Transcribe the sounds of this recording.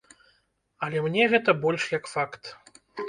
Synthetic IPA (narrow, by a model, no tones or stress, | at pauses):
ɐlʲɛmnʲɛɣɛt̪ɐbɔlʲʂjɐkfakt̪